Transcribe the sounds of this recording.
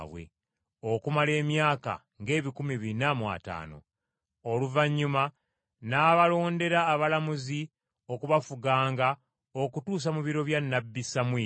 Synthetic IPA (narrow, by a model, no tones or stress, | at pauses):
βwḛ | o̞kumale̞ːmjaːka̰ | ŋɡe̞ːβikumiβinamwa̰ta̰ːno̞̰ | oluvaɲːuma | naːβalo̞ːnde̞ɾaːβalamuzi | o̞kuβafuɡaːŋɡa | o̞kutuːs̬amuβiɾo̞βjanːabːisamwiː